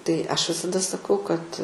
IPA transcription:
tɐɪ ˈɐʃ ʋʲɪsɐˈdɐ sɐˈkɐʊ kɐt

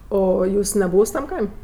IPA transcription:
ˈoː oː ˈjuːs nʲɛˈbuːws tɐm ˈkɐɪmʲ

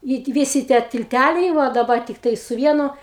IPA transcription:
ɪ tʲɪ ˈʋʲɪsʲɪ tʲiɛ tʲɪlʲˈtʲælʲɛɪ ˈʋɐ dɐˈbɐ tʲɪkˈtɐɪ sʊ ˈʋʲiɛnʊ

